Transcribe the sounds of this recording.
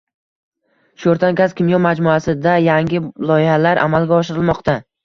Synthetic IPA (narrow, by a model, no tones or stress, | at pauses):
ʃoɾt̪ʰankʲazkʲɪmjɒmad͡ʒmuasɪd̪ajaŋɡʲɪlˠɒjɪhalaɾʔa̰malˠɡʲaɒʃɪɾɪlˠmɒqt̪a